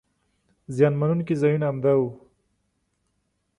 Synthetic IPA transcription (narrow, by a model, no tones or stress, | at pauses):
zjɑnmanunkizajunaːmd̪awu